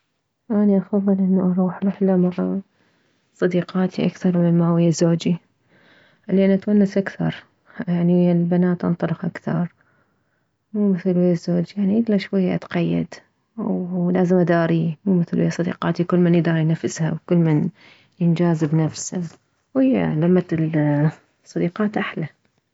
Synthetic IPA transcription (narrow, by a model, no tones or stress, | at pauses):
ʔaniʔɑfɑðˤːɨlʔɪnːuʔɑɾˤuːħɾɪħlamaʕa | sˤɑd̪iːqɑːt̪iʔakθɑɾˤmɪnmawɪjːazoːd͡ʒi | leːnʔat̪wanːasʔakθɑ̰ɾˤ | jaʕnilbanaːt̪ʔɑ̰nt̪ˤɑlɪxʔakθɑɾˤ | muːmɪθlwɪjazoːd͡ʒjaʕniʔɪd̪laʃwajːaʔat̪qɑjːa̰d̪ | wlaːzɪmʔad̪aːɾimuːmɪθlwɪ̰jːasˤɑd̪ḭːqɑːt̪ikʊlːmɪnjd̪ɑːɾijnafːɪshawkʊlːmɪn | jɪnd͡ʒaːzɪbnafsa | wɪjːa̰lamːat̪l | sˤːɑd̪iːqɑːt̪ʔaħla